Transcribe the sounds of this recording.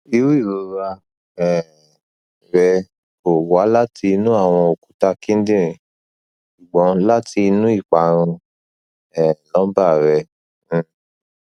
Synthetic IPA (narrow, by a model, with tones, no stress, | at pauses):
i˧˦wi˦˨ɾo˨˧ɾa˧ | ɛ˦˨ | ɾɛ˧ | o˨wa˨˦la˦ti˧nũ˦a˦˨w̃ɔ̃˧o˨ku˨˦ta˧kĩ˦n̩˦dĩ˦ɾĩ˨ | ʃu˨ɡ͡bɔ̃˨˦la˦tʰi˧nũ˦i˦˨k͡pa˨˦ɾ̃ũ˧ | ɛ˦˨lɔ̃˨˦ba˦˨ɾɛ̃˧˨